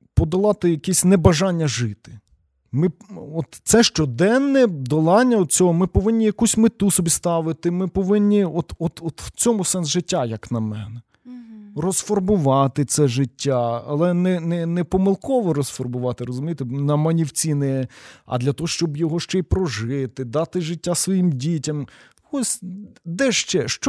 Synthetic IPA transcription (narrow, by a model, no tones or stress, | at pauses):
pɔd̪ɐlˠɑt̪ɪjɐkɛsʲnɛbɐʒɑnʲːɐʒɪt̪ɪ̥ | mɪɔt̪sɛʃt͡ʃɔd̪ɛnːɛd̪ɔlˠɑnʲːɐɔd̪̚t͡sʲɔɦɔmɪpɔʋɪnʲːijɐkusʲmɪt̪usɔbʲist̪ɑʋɪt̪ɪmɪpɔʋɪnʲːiɔt̪ɔt̪ɔt̪w̥t͡sʲɔmʊsɛnsʒɪtʲːajɐknɐmɛ̰nɐ | rɔsfɔrbʊʋɑt̪ɪt̪sɛʒɪtʲːaɐ̰lˠɛnɛnɛnɛpɔmɪlˠkɔʋɔɾɔsfɔrbʊʋɑt̪ɪɾɔzʊmʲijt̪ɛnɐmɐnʲiwt͡sʲinɛɛɐ̰d̪lʲɐt̪ɔɦɔʃt͡ʃɔbjɔɦɔʃt͡ʃɛjpɾɔʒɪt̪ɪd̪ɑt̪ɪʒɪtʲːasʋɔjimdʲitʲɐm | ɔsʲd̪ɛʃt͡ʃɛʃt͡ʃ